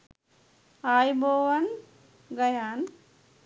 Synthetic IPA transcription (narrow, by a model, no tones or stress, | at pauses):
aːjboːʋɐn | ɡɐjaːn